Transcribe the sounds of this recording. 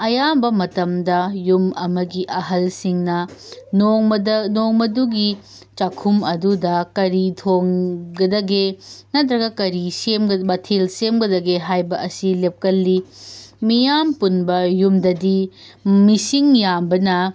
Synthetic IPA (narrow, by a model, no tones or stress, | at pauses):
ɐjambɐmɐtɐmdɐjumɐ̰mɐɡiʔɐɦɐlsiŋnɐnoŋnoŋmɐduɡi | t͡ʃakʰumɐdudɐkɐɾitʰoŋɡɐdɐɡenɐtɾɐɡɐkɐɾisemɡbɐtʰilsemɡɐdɐɡeɦajbɐʔɐsilep̚kɐlːimijampunbɐjumdɐdi | misiŋjambɐnɐ